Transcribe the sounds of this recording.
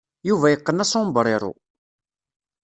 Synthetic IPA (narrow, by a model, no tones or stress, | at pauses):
juvæjəqːənæsombəɾˤɪɾˤo̰